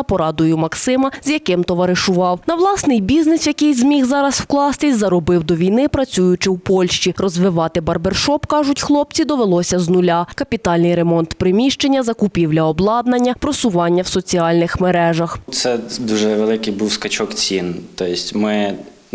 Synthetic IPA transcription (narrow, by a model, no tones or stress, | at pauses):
ɐpɔɾɑd̪ʊjʊmɐksɪmɐzjɐkɪmt̪ɔʋɐɾɪʃʊʋɑwnɐʋlˠɑsnɪjbʲiznɪsjɐkɪjzmʲiɣzɑɾɐswklˠɑst̪ɪsʲzɐɾɔbɪwd̪ɔʋʲijnɪpɾɐt͡sʲujʊt͡ʃɪwpɔlʲʃt͡ʃiɾɔzʋɪʋɑt̪ɪbɐrberʃɔpkɑʒʊtʲxlˠɔp̚t͡sʲid̪ɔʋelˠɔsʲɐznʊlʲakɐpʲit̪ɑlʲnɪjɾemɔnt̪pɾɪmʲiʃt͡ʃe̞nʲːɐzɐkʊpʲiwlʲɐɔblˠɑd̪nɐnʲːɐpɾɔsʊʋɑnʲːɐwsɔt͡sʲiɑlʲnɪxmeɾɛʒɐxt̪sɛd̪uʒɛʋelˠɪkɪjbuwskɐt͡ʃɔkt͡sʲint̪ɔjɪsʲtʲmɪ